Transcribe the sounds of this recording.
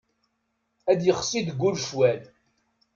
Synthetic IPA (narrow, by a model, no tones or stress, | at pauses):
æd̪jəχsid̪ɡʷːulʃwæl